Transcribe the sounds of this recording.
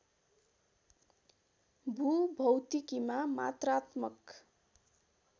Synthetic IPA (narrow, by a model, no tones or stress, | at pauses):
bʱubʱʌwt̪ikimama̰t̪rat̪mʌk